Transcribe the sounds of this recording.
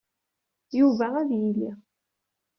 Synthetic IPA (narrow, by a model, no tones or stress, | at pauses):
juvææðjili